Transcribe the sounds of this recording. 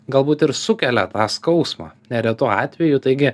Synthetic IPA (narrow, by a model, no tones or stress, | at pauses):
ɡɐlˠbuːt̪ɪɾsʊkʲɛlʲɛt̪ɑːskɐʊsmɑ̰ːnʲɛɾʲɛt̪uːɑːt̪ʲʋʲɛjʊt̪ɐɪɡʲɪ